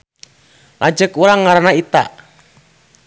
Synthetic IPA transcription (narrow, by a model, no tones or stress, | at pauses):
la̰d͡ʒəkuɾaŋːaɾanait̪a̰ʔ